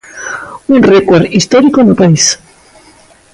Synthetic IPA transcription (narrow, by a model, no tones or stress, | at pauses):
unrekweɾd̪ist̪oɾikonopais